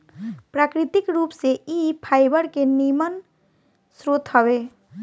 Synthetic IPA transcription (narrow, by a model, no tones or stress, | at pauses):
pɾaːkɾit̪ikɾupseipʰaːjbəɾkenimən | sɾot̪ɦəbe